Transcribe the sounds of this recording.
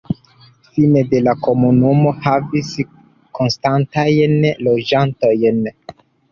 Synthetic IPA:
finede̞lako̞munumo̞havis | ko̞nstantajnlo̞d͡ʒanto̞jn

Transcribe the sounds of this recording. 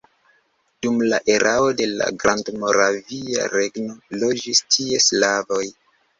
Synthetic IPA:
d̥umlaʔe̞ɾʔao̞de̞la̰ɡɾandmo̞ɾavia̰ɾe̞ɡno̞lo̞d͡ʒistʰie̞slavo̞j

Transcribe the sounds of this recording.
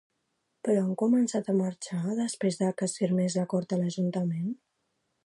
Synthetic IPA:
pɾɔaŋkumənsat̪əməɾt͡ʃaðəspɾezðəkəsfiɾmezləkɔɾt̪ələʒunt̪əmen

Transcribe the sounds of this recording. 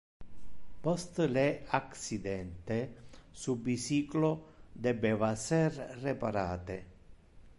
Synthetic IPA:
pɔst̪leaksid̪ɛnt̪esubisiːklod̪ebevasɛrrepaɾa̰ːt̪e

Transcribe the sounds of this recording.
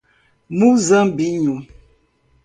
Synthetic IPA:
muzəmbiɲu

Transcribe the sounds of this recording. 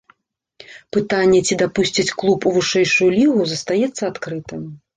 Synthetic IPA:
pɨt̪anʲːɛt͡sʲid̪apusʲt͡sʲit͡sʲklˠupuvɨʂɛjʂujulʲiɣuzɐst̪ajɛt̪sːɐat̪kɾɨt̪ɨm

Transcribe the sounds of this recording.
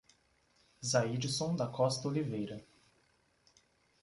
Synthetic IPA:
zaid͡ʒisõd̪ɐkɔst̪ɐolivejɾɐ

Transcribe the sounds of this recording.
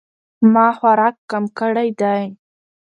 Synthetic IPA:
mɑxwaɾɑkːamkəɽajd̪aj

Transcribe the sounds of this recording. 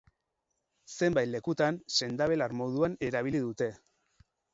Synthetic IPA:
se̞mbajle̞kut̪anse̞nd̪aβe̞laɾmo̞ðuane̞ɾaβ̞iliðut̪e̞

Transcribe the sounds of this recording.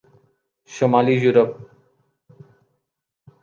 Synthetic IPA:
ʃomalijuɾop̚

